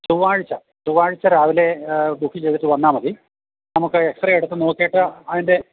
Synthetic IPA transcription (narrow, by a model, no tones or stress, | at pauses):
t͡ɕuʋːaːɻit͡ɕːɐ | t͡ɕuʋaːɻit͡ɕːɐɾaːʋile̞d̪ukʰːit͡ɕejɻut̪ːuʋɐnːaːmɐði | nɐmukːɨeksrɐeɽut̪ːɨno̞ːkːeːʈːɨɐðinde̞